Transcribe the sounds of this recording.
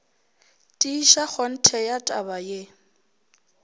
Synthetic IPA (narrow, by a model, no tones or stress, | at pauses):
tʼiːʃak͡xɔn̩tʰɛjatʼabaje